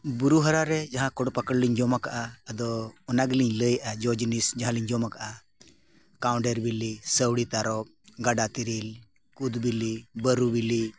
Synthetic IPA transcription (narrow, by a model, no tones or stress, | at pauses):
buɾuɦəɾaɾɛd͡ʒaɦãkɔɽɔpakəɽliɲd͡ʒɔmakaʔaːd̪ɔːnaɡliɲləjʔad͡ʒɔd͡ʒnisd͡ʒaɦãliɲd͡ʒɔmakaʔa | kawɳɖeɾbilisəwɽit̪aɾɔɡaɖat̪iɾil | kud̪bilibəɾubili